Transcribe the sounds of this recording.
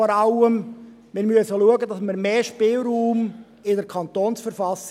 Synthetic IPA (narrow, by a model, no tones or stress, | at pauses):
ɔɾɑʊəm | mɪɾmyəsəluəɡəd̪ɑsməɾmeːʃpɪlˠɾuːm | ɪdəɾkʰɑnt̪oːnsfəɾfɑs